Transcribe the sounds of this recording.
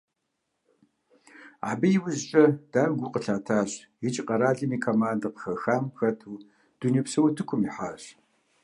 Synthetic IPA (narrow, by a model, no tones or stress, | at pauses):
a̰ːbɐjɪwʊzt͡ʃʼɐd̥aːrɡʷʊqʼəɬʰaːtʰaːɕ | jɪt͡ʃʼɪqʼɐɾaːɮɨmiːkʰomaːndɐqə̥xɐxaːmxɐtʰuː | d̥unipsɐwɐtʰɨkʷʰʊmiħaːɕ